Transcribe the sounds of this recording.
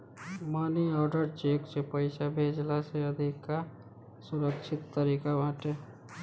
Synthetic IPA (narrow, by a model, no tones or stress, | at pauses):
maːniɔːɾɖəɾt͡ʃeːksepəɪsabʱeːd͡ʒlaseəd̪ʱɪkːa | sʊɾəkt͡ʃʰɪt̪ːəɾiːkabʱãʈe